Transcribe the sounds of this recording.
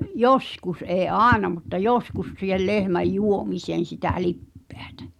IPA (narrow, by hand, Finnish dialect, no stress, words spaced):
joskus ʔeː ʔɑːenɑ mutːɑ joskus siːhel lehmæj juomiseːn̞ sitæ lipːe̥æ̥tæ̥